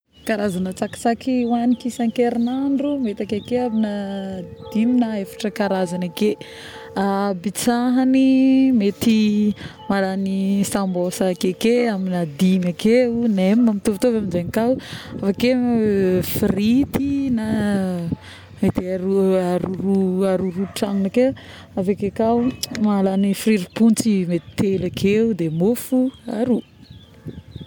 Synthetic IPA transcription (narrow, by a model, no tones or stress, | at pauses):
kaɾazanət͡saki̥t͡sakiwanikisaŋkeɾinaɳɖ͡ʐumet̪akekeaminad̪̥iminaefḁʈ͡ʂəkaɾazanake | abit͡saɦanimet̪i | maɾanisambosakekeaminad̪imakeunemimamit̪uvt̪ovaminzenikawafake | frit̪ina | met̪aɾuaɾuɾuaɾuɾuʈ͡ʂaŋunake | avekekawmalanifriɾipunt͡simet̪i̥t̪elakʰeud̪emofua̰ɾu